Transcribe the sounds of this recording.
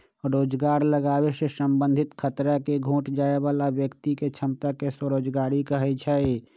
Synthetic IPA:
ɾoːd͡ʒɡaːɾləɡaːwesesə̃mbə̃nd̪ʱɪt̪kʰət̪ɾakeɡʱũːʈd͡ʒaːeʋaːlabjəkt̪iket͡ʃʰəmt̪akesəɾoːd͡ʒɡaːɾikəɦɛt͡ʃʰɛe

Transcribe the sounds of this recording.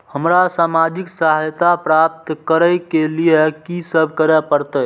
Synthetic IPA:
həmɾasamad͡ʒiksaɦjt̪apɾap̚t̪kəɾəjkelijekisəbʱkəɾɛpəɾt̪əj

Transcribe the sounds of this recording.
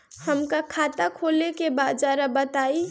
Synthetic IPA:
həmkakʰaːt̪akʰoːlekebaːd͡ʒaːɾabət̪aːi

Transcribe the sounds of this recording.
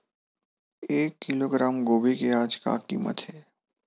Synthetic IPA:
eːkːɪloːɡɾaːmɡoːbikeaːd͡ʒka̰ʈimə̰t̪ɦɛː

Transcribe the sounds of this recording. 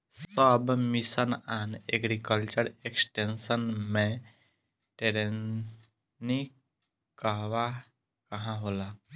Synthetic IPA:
ssɔbmisənanḛɡɾikəlt͡ʃəɾeksʈensənmẽ | ʈeɾen | ni | kəʋa | kəɦãɦola

